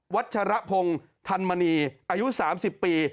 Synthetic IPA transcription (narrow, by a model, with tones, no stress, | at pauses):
wa˦˥t̪̚t͡ɕʰa˧ɾa˦˥pʰo˧ŋ | t̪ʰa˧nmaː˧niː˧ʔaː˧ju˦˥saː˩˦msi˨˩pːiː˧